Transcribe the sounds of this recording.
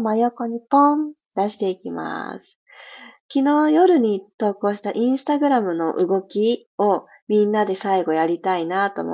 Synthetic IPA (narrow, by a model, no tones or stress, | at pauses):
majo̞ko̞ɲ̟ipõn | d̪̥aɕi̥t̪e̞ikʲima̰sɨ̥ | kʲino̞ːjo̞ɾɯ̟ɲ̟it̪o̞ːko̞ːɕi̥t̪aʔĩɰ̃sɨ̥t̪aɡɯ̟ɾamɯ̟no̞ʔɯ̟ɡo̞kʲio̞ | mʲĩnːad̪e̞saiɡo̞jaɾʲit̪ainat̪o̞̰mo